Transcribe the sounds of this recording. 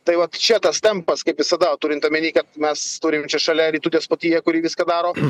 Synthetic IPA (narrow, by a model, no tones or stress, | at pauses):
t̪ɐɪʋɐt̪t͡ʃʲɛt̪ɐst̪ʲɛmpɐskɐɪpʋʲɪsɐd̪ɐt̪uːɾʲɪnt̪ɐmʲɛnʲiːkɐt̪̚mʲɛst̪uːɾʲɪmt͡ʃʲɛʃɐlʲɛɾʲiːt̪uːt̪ʲiɛspot̪ʲiːjɛkʊɾʲiːʋʲɪskɐd̪ɑːɾoː